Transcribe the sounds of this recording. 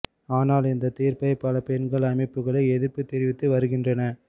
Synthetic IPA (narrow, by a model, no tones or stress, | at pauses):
aːnaːlɪnd̪ɐt̪iːrpɐɪpɐlɐpɛnɡɐɭɐmɐɪpːɯɣɐɭɐɪɛðɯɾpːɯt̪ɛɾɪʋɪt̪ːɯʋɐɾɯɣɪndrɐnɐ